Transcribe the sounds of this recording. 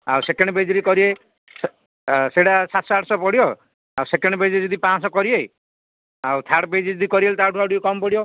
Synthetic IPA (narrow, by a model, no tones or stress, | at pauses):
a̰wsekeɳɖɔbed͡ʒɔɾikɔɾie | seɽasat̪sɔaʈʰsɔpɔɽijɔ | awsekeɳɖɔbed͡ʒɔɾid͡ʒɔd̪ipãsɔkɔɾiej | awt̪ʰaʈbed͡ʒid͡ʒɔd̪ikɔɾielt̪ʰaʈʰuawʈiokɔmɔpɔɽijɔ